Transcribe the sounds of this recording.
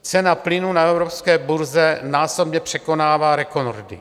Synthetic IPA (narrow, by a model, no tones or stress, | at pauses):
t͡sɛnaplɪnunaɛvɾopskɛːbuɾzɛnaːso̞bɲɛpr̝̥ɛko̞naːvaːɾɛkonoɾdɪ̰